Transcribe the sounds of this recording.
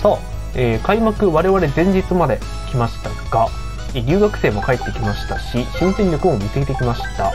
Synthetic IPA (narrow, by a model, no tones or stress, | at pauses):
soː | eːkaimakɯ̟βaɾe̞βaɾe̞d͡zẽ̞ɲ̟d͡ʑit͡sɨmad̪e̞ | kʲimaɕi̥t̪aɡ̥a | eɾʲɨ̟ːɡakɯ̟̥se̞ːmo̞kaet̪ːe̞kʲimaɕi̥t̪aɕiɕĩnsẽɲʲɾʲakɯ̟omisɨɡʲit̪e̞kʲimaɕi̥t̪a